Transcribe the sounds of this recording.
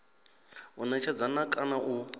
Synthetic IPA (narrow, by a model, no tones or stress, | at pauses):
unat͡ʃʰad͡zanakʼanaʔu